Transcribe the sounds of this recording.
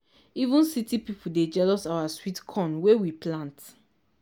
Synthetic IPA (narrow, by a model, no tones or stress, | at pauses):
ivũnsitipipuded͡ʒɛlɔsawaswitkʰɔ̃nwewiplãnt